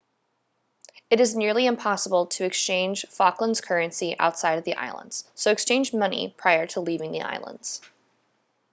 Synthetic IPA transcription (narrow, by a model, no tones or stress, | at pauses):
ɨɾɨznɪɹlˠiɨ̃mpʰɑsəbl̩ˠtʰɨːkst͡ʃʰẽɪ̃nʒ̥fɑklə̃nz̥kʰɜ˞ɨ̃nsiʔa̰ʊtsaɪɾʌvðiʔa̰ɪlˠə̰̃ndz̥soʊɨkst͡ʃʰẽɪ̃nd͡ʒmʌnḭpʰɹ̥aɪə˞ɾəlivɪ̃ŋðḭʔa̰ɪlˠə̰̃ndz̥